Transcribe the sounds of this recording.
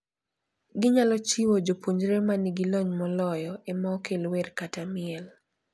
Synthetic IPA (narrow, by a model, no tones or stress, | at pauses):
ɡɪɲalɔt͡ʃiwod͡ʒopoɲd͡ʒɾemanɪɡɪlɔɲmɔlɔjɔemɔkʰelwerkatamɪɛl